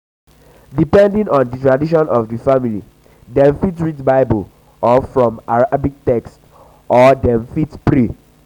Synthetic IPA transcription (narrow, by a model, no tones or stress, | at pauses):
dipɛ̃ndĩŋɔ̃nditɹadiʃ̬ɔ̃nʔɔvdifamilḭ | dɛ̃ɱfitɹidbaɪbəl | ɔfɹɔ̃maɹaabik̚tɛkst | ʔɔdɛ̃mfitpɹi